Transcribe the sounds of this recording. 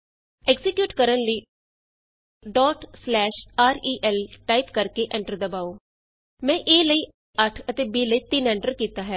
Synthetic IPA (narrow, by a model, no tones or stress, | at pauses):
ɛɡzɪkjuːʈkəɾənləiː | ɖɔːʈslɛːʃaːɾiːʔɛːlʈaːiːpkəɾkeːʔɛ̃ːɳʈəɾd̪əbaːoː | mɛ̃ːʔeːləiː | əʈʰət̪eːbiːləiːt̪ɪnɛ̃ːɳʈəɾkiːt̪aːɦɛː